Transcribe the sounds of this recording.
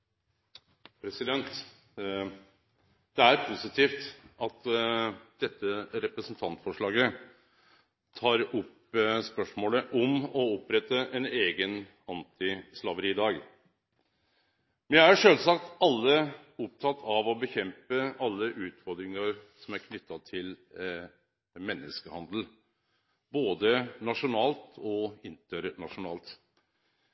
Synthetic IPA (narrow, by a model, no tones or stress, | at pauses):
pʰɾɛsɪd̪ɛnt̪ | d̪̥ɛæɾpʰʊsɪt̪ʰiːft̪ɑt̪ | d̪̥ɛt̪ːəɾɛpɾəsnt̪ʰɑnt̪fɔʂɭɑːɡə | t̪ʰɑːɾʊp | spœʂmoːləʔɔmɔɔpːɾɛt̪ːəʔɛneːɡən | ɑnt̪ɪslɑʋəɾiːɪd̪ɑːɡ | mɛnjææɾʂøːlsɑkt̪ɑlːəʊp̚t̪ʰɑt̪ʰːɑʋɔbəçɛmpəɑlːəʔʉːt̪fɔɾd̪ɾɪŋəɾsɔmæɾkʰnʏt̪ːɑt̪ʰɪl | mɛnːəskəhɑnd̪l̩ | boːd̪ənɑʂʊnɑːlt̪ɔɪnt̪əɾɳɑʂʊnɑ̰ːlt̪